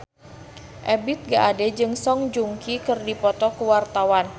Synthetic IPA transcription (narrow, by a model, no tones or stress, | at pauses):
ʔɛbɪt̪̚ɡaʔadɛd͡ʒɨŋsɔŋd͡ʒuŋkikɨrdipɔt̪ɔkəwart̪awan